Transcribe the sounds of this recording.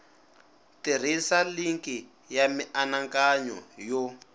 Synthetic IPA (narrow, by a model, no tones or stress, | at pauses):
tir̤isaliŋki | jamiʔanaŋkaɲɔ̰jɔ